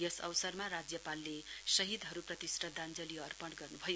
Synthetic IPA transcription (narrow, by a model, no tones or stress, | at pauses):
jʌsʌ̰wsʌrmaɾad͡zjʌpalːesʌɦid̪ʱɦʌɾuprʌt̪isʈʌd̪ʱand͡zʌliʌrpʌɳɡʌrnubʱʌjo